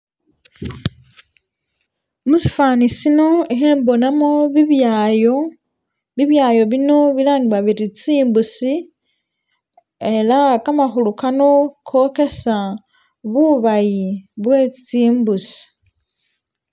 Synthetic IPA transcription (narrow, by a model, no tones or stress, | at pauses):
musi̥faːnisino̞exeːmbo̞namoβiβjajo | βiβjaːjo̞βino̞βilaːŋɡiβaβiɾit͡siːmbusi | e̞lakamaxulukano̞kʰo̞ke̞sa | βuβajiβwe̞ːt͡siːmbusi̥